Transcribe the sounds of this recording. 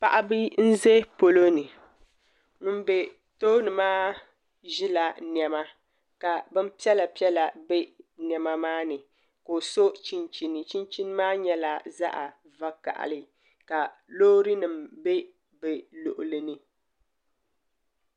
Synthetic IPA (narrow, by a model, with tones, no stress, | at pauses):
pa˨ʔa˦bɨ˦n̩˦ze˦po˨lo˦nɨ˨ | ŋʊ˦m˦be˨ | toː˦nɨ˨maː˦ | ʒɪ˦la˨n˨ɛ˨ma˦ | ka˨bɛ˦m̩˦pi˦ɛ˦la˨pi˦ɛ˦la˨bɛ˦n˨ɛ˨ma˦maː˦nɨ˨ | ko˨so˦t͡ʃi˦nt͡ʃi˨nɨ˨t͡ʃi˦nt͡ʃi˦n˦maː˦ɲɛ˦la˨za̰˦ʔa˨ | va˦ka̰˨ʔa̰˨lɨ˨ | ka˨loː˦ɾɨ˦nɨ˨mbe˦ | bɛ˨lo˨ʔʊ˨lɨ˨nɨ˨